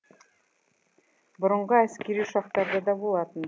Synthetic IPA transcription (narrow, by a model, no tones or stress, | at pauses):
bʊ̆ɾə̆ɴʁɤæskeɾiʃɑq̚t̪ɑɾd̪ɤd̪ɑbulˠɑt̪ɤn